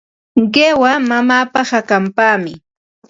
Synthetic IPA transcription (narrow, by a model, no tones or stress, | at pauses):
ɢewamamaːpahakampaːmɪ